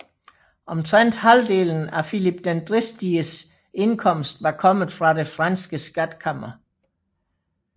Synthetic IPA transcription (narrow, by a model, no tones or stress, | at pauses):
ʔɒ̽mt͡sʰʁan̰d̥hæld̥e̝ːln̩æfilib̥̚d̥end̥ʁisd̥iəs | e̝nkʰɒ̽m̰sd̥ʋɑ̈kʰɒ̽m̰ð̩ˠfʁɑ̈de̝fʁɑnsɡ̥əsɡ̥æd̥kʰɑm̰ɐ